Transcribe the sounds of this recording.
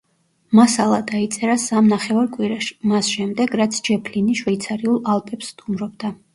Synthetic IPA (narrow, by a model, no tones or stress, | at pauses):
masalˠad̪ait̪sʼɛɾasamnaχɛvaɾkʼwiɾaʃmasʃɛmd̪ɛɡɾat̪sʰd͡ʒɛpʰliniʃwɛit̪sʰaɾiulˠalˠpʼɛpsːt̪ʼumɾɔbd̪a